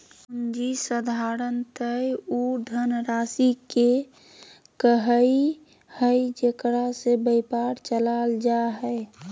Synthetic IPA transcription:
und͡ʒisəd̪ʱaɾənt̪əjod̪ʱənɾasike | kəɦəi | həjd͡ʒekɾasebəɪpaɾt͡ʃəlald͡ʒaɦəɪ

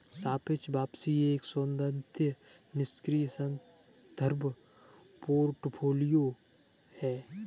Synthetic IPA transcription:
saːpʰɪt͡ʃbaːpsieːksõːnd̪ə̃nt̪ʰjə | nɪskɾiːsə̃n | d̪̥ʱəɾbʱ | poːɾʈpʰoːlijoː | hɛː

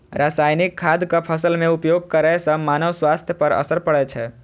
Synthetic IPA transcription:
ɾasajnikʰːad̪kəpʰəsəlmẽupjoɡ̚kəɾajsə̃manəʋswast̪ʰjəpəɾə̰səɾpəɽɛt͡ʃʰɛ

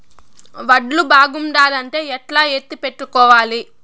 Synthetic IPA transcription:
ʋɐɖlubaːɡumɖaːdɐɳʈe̞ːɛʈlaːet̪ːipe̞ʈːukɔːʋaːli

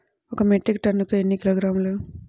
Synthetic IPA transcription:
ɔkɐmeʈɾik̚ʈɐnːukuenːikiloːɡɾaːmlu

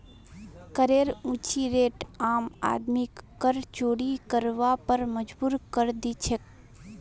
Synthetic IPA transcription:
kəɾeːɾũːt͡ʃiɾeːʈaːma̰ːd̪mikːəɾt͡ʃoːɽikəɾʋapəɾməd͡ʒbuːɾkəɾd̪it͡ʃʰek̚

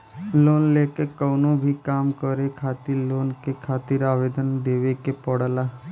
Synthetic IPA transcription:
loːnleːkekənõbʱikaːmkəɾekʰaːt̪ɪɾloːnkekʰaːt̪ɪɾaːʋeːd̪ənd̪eːʋekepəɽlaː

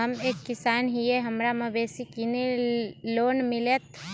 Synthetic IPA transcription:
ɦɐmeːkːɪsaːnɦieɦɐmɾamɐ̃beːsikineloːnmɪlet̪

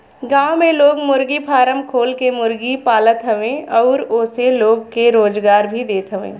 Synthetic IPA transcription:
ɡãːwmẽloːɡmʊɾɡipʰaːɾəmkʰoːlkemʊɾɡipaːlət̪ɦɐʋẽːɔːɾʊseloːɡkeɾoːd͡ʒɡaːɾbʱid̪eːt̪ʰɦəʋḛ̃ː

